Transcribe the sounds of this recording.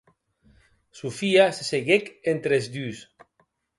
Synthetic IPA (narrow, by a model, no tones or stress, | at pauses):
sufiaseseɣekent̪ɾezd̪ys